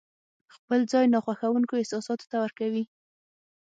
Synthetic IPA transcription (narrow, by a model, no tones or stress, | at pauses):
xpəld͡zɑjnɑxwaxawuŋkoɪhsɑsɑt̪o̥t̪awəɾkawi